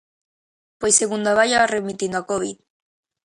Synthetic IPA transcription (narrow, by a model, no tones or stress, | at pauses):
pojseɣund̪aβajaaremit̪ind̪oakoβið